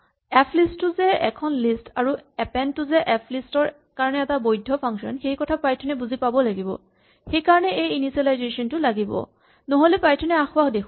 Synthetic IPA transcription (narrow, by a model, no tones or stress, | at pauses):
ɛpʰlistːʊzɛɛ̰kʰɔnlistaɹuɛpɛntʊzɛʔɛpʰlistɔɹ | kaɹɔnɛɛtabojdʱɔpʰaŋksɔ̰nxejkɔtʰapajtʰɔnɛbuzipabɔlaɡibɔ̰ | xejkaɹɔnɛejinisɛlajzesɔntʊlaɡibɔ̰ | nɔɦolɛpajtʰɔnɛaxʊaxdekʰ